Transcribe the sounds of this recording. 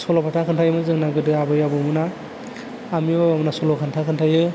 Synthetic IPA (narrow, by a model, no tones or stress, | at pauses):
sɔlɔpʰatʰakʰɯntʰajɯmɯzɯŋnaɡɯdɯabɯjabɯmɯnaː | mijoamnasɔlɔkʰantʰakʰɯntʰajɯ